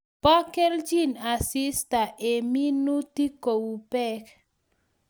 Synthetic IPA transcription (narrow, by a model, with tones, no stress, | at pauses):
pɔ˦kɛ˦ld͡ʒi˦˨na˨si˦sta˨ʔe˨mi˦nu˦ti˦ko˨wu˨pɛ˦k